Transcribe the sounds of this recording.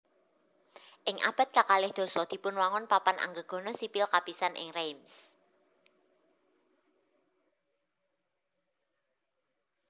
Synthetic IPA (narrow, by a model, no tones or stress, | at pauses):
ʔɪŋʔa̰b̥a̤t̪̚kakalɪhd̪̥ɔ̤sɔd̪̥i̤pʊnwaŋɔnpapanʔa̰ŋɡəɡ̥ɔ̤nɔsipɪlkapisanʔɪ̰ŋrejms